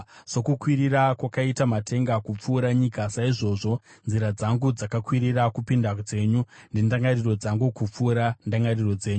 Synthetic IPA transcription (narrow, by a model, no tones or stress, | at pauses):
so̞kukwiɾirakwakaitamatʰe̞ŋɡakup͡fuːɾaɲikasaiʐo̞ːʐo̞ | nziɾad͡zaŋɡud͡zakakwiɾirakupindad͡ze̞ːɲundindaŋɡariro̞d͡zaŋɡukup͡fuːɾandaŋɡariro̞d͡ze̞ːɲu